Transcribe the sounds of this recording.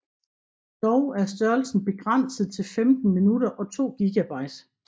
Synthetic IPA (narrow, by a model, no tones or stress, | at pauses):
d̥ɒʊæɐsd̥ɶɐlsn̩b̥e̝ɡ̥ʁan̰səð̞̩ˠt͡sʰe̝lfemd̥n̩minud̥ɐʔɒ̽t͡sʰo̝̰ːɡ̥iɡ̥æb̥ɑ̈ɪd̥